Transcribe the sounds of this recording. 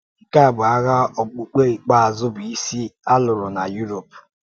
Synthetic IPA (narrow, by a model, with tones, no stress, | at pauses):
ŋ̩˨ka˦a˨bʊ˨a˦ɣa˦ɔ˨k͡pu˨k͡pe˦i˨k͡pa˦˨a˨zʊ˦bʊ˨i˦si˦a˦lʊ˨ɾʊ˨na˨ju˦ɾo˨p